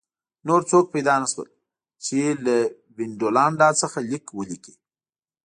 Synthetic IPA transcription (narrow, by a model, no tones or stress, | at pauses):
noɾt͡sok̚pajd̪ɑnaʃwə̰l | t͡ʃela | bɪnɖolaɳɖɑt͡səxalikwəliki̥